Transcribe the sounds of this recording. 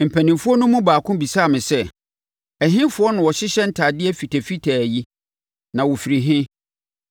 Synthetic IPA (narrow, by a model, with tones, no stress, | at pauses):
m̩˨pʰæ̃˨nĩ˨mfʊ˦ɔ˦nʊ̃˦mũ˦baː˨kʰʊ̃˦bi˨saː˦˨mɪ̃˨sɛ˦ | æ˨ɦɪ̃˦fʊ˦ɔ˦nʊ̃˨wɔ˨ɕɪ˦ɕɛ˦n̩˦tʰa˨dɪ˦ɛ˦fi˨tʰæ˨fi˦tʰæ˨æ˨ji˦ | nã˨wɔ˨fi˨ɾi˨ɦɪ̃˦